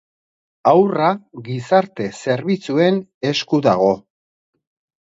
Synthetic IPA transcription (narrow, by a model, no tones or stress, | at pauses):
awraɣisaɾt̪e̞se̞ɾβit͡sue̞ne̞skuðaɣ̞o̞